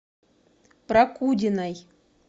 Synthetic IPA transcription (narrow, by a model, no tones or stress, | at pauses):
prakud̪ʲinaj